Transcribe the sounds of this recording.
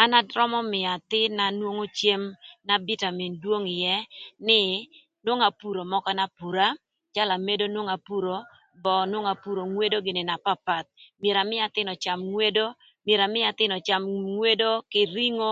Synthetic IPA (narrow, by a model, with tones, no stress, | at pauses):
a˦na˦dɾɔ˦mɔ˦mɪ˨a˨t̪ɪ˦na˨nwo˦ŋo˦t͡ʃje˦mna˨bi˦ta˨mi˨ndwo˦ŋɪ˨jɛ˦nɪ˦ | nwo˦ŋa˨pu˨ɾo˨mɔ˦kɔ˦na˦pu˨ɾa˦ | t͡ʃa˦la˨me˦do˦nwo˦ŋa˨pu˦ɾo˨ | bɔ˨nwo˦ŋa˨pu˨ɾo˨ŋwe˦do˦ɡɪ˨nɪ˨na˨pa˦pa˨t̪̚mje˨ɾa˨mɪ˦a˨t̪ɪ˦nɔ˨t͡ʃa˨mŋwe˦do˦ | mje˨ɾa˨mɪ˦a˨t̪ɪ˦nɔ˨t͡ʃa˨mŋwe˦do˦kɪ˨ɾi˦ŋo˦